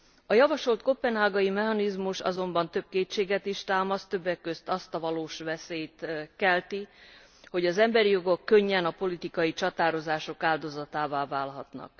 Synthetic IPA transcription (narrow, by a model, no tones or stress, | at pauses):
ɒjɒvɒʃo̞lt̪̚kopːɛnɦaːɡɒimɛɦɒnizmuʃɒ̰zo̞mbɒnt̪øb̚keːt͡ʃːeːɡɛt̪iʃt̪aːmɒst̪øbːɛkːøst̪ɒst̪ɒvɒloːʃʋɛseːjt̪kɛlt̪i | ho̞ɟɒzɛmbɛɾijo̞ɡo̞kːø̞ɲːɛnɒpo̞lit̪ikɒjit͡ʃɒt̪aːɾo̞zaːʃo̞kaːld̪o̞zɒt̪aːvaːvaːlɦɒt̪nɒ̰k̚